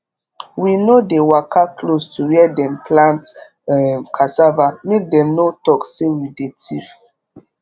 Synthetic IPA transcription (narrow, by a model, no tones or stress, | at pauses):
winodewakʰakʰlostʰuwɛdɛ̃mplãnt | kʰasavamek̚dɛ̃mnotɔksewidetʰif